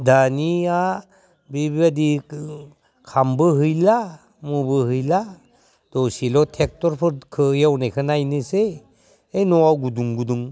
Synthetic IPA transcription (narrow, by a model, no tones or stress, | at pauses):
dania | bibiadi | kʰambɯɦɯjla | mubɯhɯjla | d̥ɔsilɔtʰek̚tɔɾpʰɔɾkʰɯjawnejkʰɯnajnɯseː | jnɔwawɡuduŋɡuduŋ